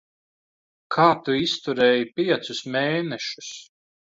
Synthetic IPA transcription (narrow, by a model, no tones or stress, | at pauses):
kʰaːt̪uist̪uɾɛːjipʲiɛt̪sʊsmeːnɛʃu̥s